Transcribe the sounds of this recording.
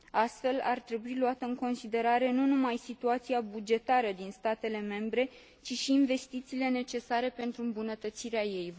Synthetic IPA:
ast̪fe̞lart̪ɾe̞builuat̪əɨŋko̞nsid̪e̞ɾaɾe̞nunumajsit̪uat̪siabud͡ʒe̞t̪aɾəd̪inst̪at̪e̞le̞me̞mbɾe̞ | t͡ʃiʃiːnve̞st̪it̪siːle̞ne̞t͡ʃe̞saɾe̞pe̞nt̪ɾuɨmbunət̪ət̪siɾeaje̞j

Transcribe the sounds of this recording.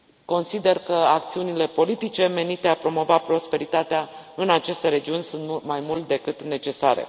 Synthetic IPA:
ko̞nsid̪e̞rkəak̚t̪siunile̞po̞lit̪it͡ʃe̞me̞nit̪e̞apɾo̞mo̞vapɾo̞spe̞ɾit̪at̪eaɨnat͡ʃe̞st̪e̞ɾe̞d͡ʒiunʲsunt̪majmult̪d̪e̞kɨt̪ne̞t͡ʃe̞saɾḛ

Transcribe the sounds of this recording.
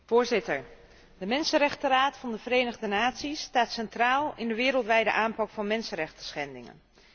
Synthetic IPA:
v̥ʊːɹzɪtəɹ | dəmɛnsənrɛχtəraːtfɑndəvərejnəχdənaːtsistaːtsɛntraːlˠɪndəʋɪːɾəlˠtʋɛjdə̰ʔaːmpɑkfɑnmɛnsənrɛχtəsχɛndɪ̰ŋə̰n

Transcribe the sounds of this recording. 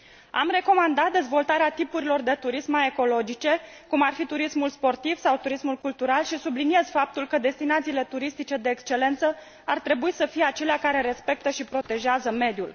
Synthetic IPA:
a̰mre̞ko̞mand̪at̪̚d̪e̞zvo̞lt̪aɾeat̪ipuɾilo̞rd̪e̞t̪uɾismae̞ko̞lo̞d͡ʒit͡ʃe̞kumarfit̪uɾismulspo̞rt̪iv̥sawt̪uɾismulkult̪uɾalʃisublinie̞zfap̚t̪ulkəd̪e̞st̪inat̪siːle̞t̪uɾist̪it͡ʃe̞d̪e̞ːkst͡ʃe̞le̞nt̪sə | art̪ɾe̞buisəfijeat͡ʃe̞leakaɾe̞ɾe̞spe̞k̚t̪əʃipɾo̞t̪e̞ʒeazəme̞d̪jul

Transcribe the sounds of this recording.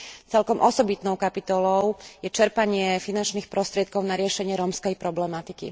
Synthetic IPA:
t͡sɛlkɔmʔɔsɔbit̪nɔʊkapit̪ɔlɔʊjɛt͡ʃɛɾpaɲɪɛfinant͡ʃniːxpɾɔst̪ɾɪɛt̪̚kɔʊnaɾɪɛʃɛɲɪɛɾɔmskɛjpɾɔblɛmat̪ikḭ

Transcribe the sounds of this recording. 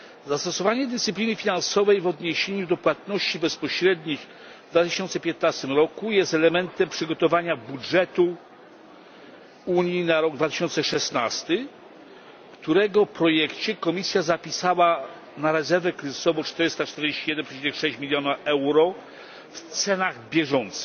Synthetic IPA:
zast̪ɔsɔvaɲɛd̪ɛst̪ɘplʲinɘfʲinansɔvɛjvɔd̪ɲeɕeɲud̪ɔpwat̪nɔɕt͡ɕibɛspɔɕɾɛd̪ɲix | vd̪vat̪ɪɕɔnt̪sɛpʲjɛt̪nast̪ɘmɾɔkujɛst̪ɛlɛmɛnt̪ɛmpʂɘɡɔt̪ɔvaɲabudʐɛt̪u | uɲjinaɾɔɡ̚d̪vat̪ɪ̥ɕɔnt̪sɛʂɛsnast̪ɘ | kt̪uɾɛɡɔfpɾɔjɛkt͡ɕɛkɔmʲisʲjazapʲisawa | naɾɛzɛɾvɛkɾɛzɨsɔvɔt͡ʂt̪ɛɾɘst̪at͡ʂt̪ɛɾd͡ʑeɕt͡ɕijɛd̪ɛnpʂɛt͡ɕinɛxʂɛɕt͡ɕmʲilʲjɔnaɛwɾɔ | ft̪sɛnaɣbʲjɛʐɔnt̪sɘ̥x

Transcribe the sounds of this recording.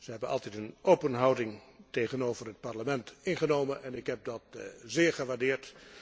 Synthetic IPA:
z̥əɦɛbənɑ̰lˠtɛtənowpənɦɑwdɪŋtejχənoːwvərɦət̚paɹləmɛntɪnχənowmənʔɛnɪkɦɛp̚dɑtzɪːɹχəʋaːɹdɪːɹt

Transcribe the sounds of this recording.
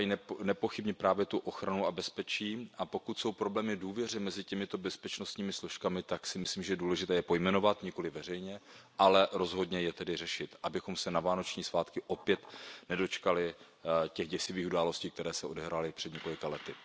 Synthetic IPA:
jinɛnɛpo̞xɪbɲɪpɾaːvjɛt̪uʔo̞xɾanuabɛspɛt͡ʃiːʔapo̞kut̪so̞wpɾo̞blɛːmɪduːvjɛr̝ɛmɛzɪcɛmɪt̪o̞bɛspɛt͡ʃno̞st̪ɲiːmɪsloʃkamɪt̪aksɪmɪsliːmʒɛjɛduːlɛʒɪt̪ɛːjɛpo̞jmɛno̞vat̪ɲɪko̞lɪvɛrɛjɲɛʔalɛɾo̞zɦo̞dɲɛjɛt̪ɛdɪrɛʃɪt̪ʔabɪxo̞msɛnavaːno̞t͡ʃɲiːsvaːt̪kɪʔo̞pjɛt̪nɛdo̞t͡ʃkalɪ | cɛɣɟɛsɪviːxudaːlo̞sciːkt̪ɛɾɛːsɛʔo̞dɛɦɾaːlɪpr̥ɛd̪ɲɛko̞lɪkalɛt̪ɪ

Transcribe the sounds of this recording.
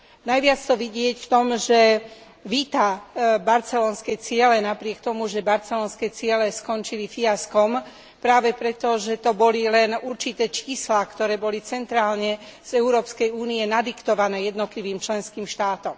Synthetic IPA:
najʋɪat͡st̪ɔʋiɟɪɛcft̪ɔmʒɛ | ʋiːt̪abaɾt͡sɛlɔːnskɛt͡sɪɛlɛnapɾɪɛkt̪ɔmuʒɛbaɾt͡sɛlɔːnskɛt͡sɪɛlɛskɔnt͡ʃilifiaskɔm | pɾaːʋɛpɾɛt̪ɔʒɛt̪ɔbɔlilɛnuɾt͡ʃit̪ɛːt͡ʃiːslakt̪ɔɾɛːbɔlit͡sɛnt̪ɾaːlɲɛz̥ɛʊuɾɔːpskɛjuːniɛnad̪ikt̪ɔʋanɛːjɛd̪nɔt̪liʋiːmt͡ʃlɛnskiːmʃt̪aːt̪ɔm

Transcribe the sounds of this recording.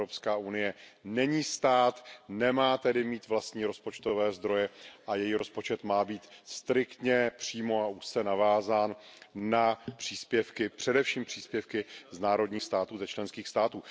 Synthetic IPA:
ɾopskaːunɪjɛnɛɲiːst̪aːt̪nɛmaːt̪ɛdɪmiːt̪vlast̪ɲiːɾo̞spo̞t͡ʃt̪o̞vɛːzd̪ɾo̞jɛʔajɛjiɾo̞spo̞t͡ʃɛt̪maːbiːt̪st̪ɾɪkt̪ɲɛpr̝̥iːmo̞aʔuʃt͡sɛnavaːzaːnː | apr̥iːspjɛfkɪpr̥ɛdɛfʃiːmpr̝̥iːspjɛfkɪznaːɾo̞dɲiːxst̪aːt̪uːzɛt͡ʃlɛnskiːxst̪aːt̪uː

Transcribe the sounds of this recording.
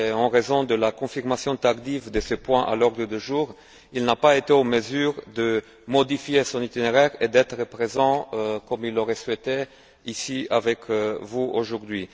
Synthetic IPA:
ɑ̃ʁezɔ̃d̪əlakɔ̃fiʁmasjɔ̃t̪aʁd̪ivd̪əsəpwɛ̃ʔa̰lɔʁd̪ʁəd̪əʒuːʁ | ilnapaet̪eɑ̃məzyːʁd̪ə | mɔd̪ifjesɔ̃nit̪ineʁɛʁed̪ɛt̪χəpχezɑ̃kɔmilːoʁɛswɛt̪e | isiavɛkʰvuoʒuʁd̪ɥi

